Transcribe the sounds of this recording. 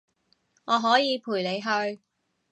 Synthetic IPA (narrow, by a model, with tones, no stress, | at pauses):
ŋɔː˨˧ɦɔː˨˥jiː˨˧pʰuː˨˩jle˨˧jɦɵ˧ɥ